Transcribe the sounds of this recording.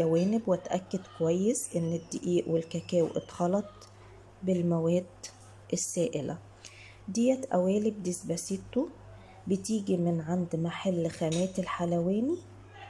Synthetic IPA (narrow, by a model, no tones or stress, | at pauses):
æwæːnɪbwæt̪ʔæ̰kːæd̪kowæjːesʔenːed̪ːeʔiːʔwelkækæːwʔḛt̪xɑlɑt̪ˤ | belmæwæːd̪ | ʔesːæːʔelʔæ̰ | d̪ijæt̪ʔæ̰wæːlib̚d̪esbæset̪u | bet̪iːɡimɪnʕand̪maħalːxæmæːt̪elħalæwæːni